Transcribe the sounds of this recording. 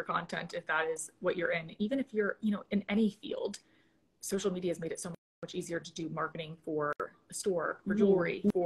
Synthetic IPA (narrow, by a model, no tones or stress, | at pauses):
ə˞kʰɑ̃ntʰɛ̰̃ntɨfðəɾɪzwʌt͡ʃə˞ɪ̃nivɨ̃ñɨfjə˞jɨɾ̃oʊʔɨ̃nɛɾ̃ifḭlˠd̥ | soʊʃl̩ˠmiɾiɨzmeɪɾɨtsoʊ | mʌt͡ʃiziə˞ɾɨdɨmɑɹkɨɾɪ̃ŋfə˞ | əstɔɹə˞d͡ʒɔlɹḭə